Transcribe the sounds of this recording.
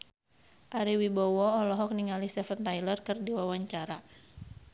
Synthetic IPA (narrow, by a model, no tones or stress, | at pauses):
ʔaɾiwibɔwɔɔlɔɦɔk̚niŋalist̪ɛfənt̪ajlərkɨrdiwawaɲt͡ʃaɾa